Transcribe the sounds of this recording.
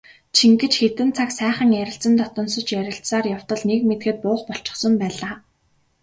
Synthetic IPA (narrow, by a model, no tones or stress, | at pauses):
t͡ɕʰiŋkɘ̆t͡ɕxet̪ɘ̆nt͡sʰaksæːχə̆ŋjæɾʲɪ̆ɬt͡sə̆nt̪ɔt̪ɞ̆nsɞ̆t͡ɕjæɾʲɪ̆ɬt͡ssaːrjaw̥t̪ɞ̆ɮnekmet̪ɡɘ̆t̪̚pʊːχpɔɬt͡ɕɪ̥̆χsɞ̆mpæːɮaː